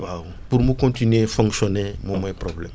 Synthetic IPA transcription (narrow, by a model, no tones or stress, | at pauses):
awupuɾmukõntinɥefɔ̃ŋksɔnemomɔjpɾɔblɛm